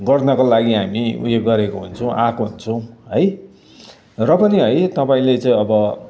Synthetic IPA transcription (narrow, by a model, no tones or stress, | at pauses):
ɡʌrnʌkolaɡiɦamiṵjeɡ̚ɡʌɾekoɦunt͡sʰʌ̃w̃ʔakoɦunt͡sʰʌw̃ɦʌj | rʌpʌniɦʌjt̪ʌpaĩlet͡saĩʌbʌ